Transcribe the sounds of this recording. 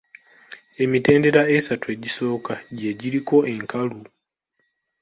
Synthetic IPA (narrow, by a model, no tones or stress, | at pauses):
e̞mite̞ːnde̞ɾaesatue̞ːɟiso̞ːkaɟeɟiɾiko̞ʔeŋkalu